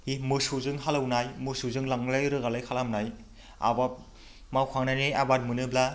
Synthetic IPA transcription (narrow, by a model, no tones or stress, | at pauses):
imɯsuzɯŋɦalawnajmɯsuzɯŋlaŋlajɾɯɡalajkʰalamnaj | a̰ba | mawkʰaŋnajniabat̚mɯnɯbla